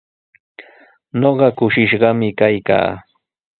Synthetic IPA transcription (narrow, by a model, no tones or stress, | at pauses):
noɢɑkʊʃɪʃɢɑmɪkajka̰ː